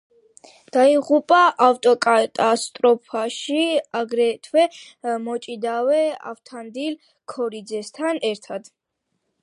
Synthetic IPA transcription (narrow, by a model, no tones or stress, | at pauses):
d̪̥aiʁupʼaʔaft̪ʼɔkʼat̪ʼast̪ʼɾɔpʰaʃiaɡɾɛt̪ʰwɛ | mɔt͡ʃʼid̪awɛa̰ft̪ʰand̪il | kʰɔɾid̪zɛst̪ʰanɛɾt̪ʰad̪̥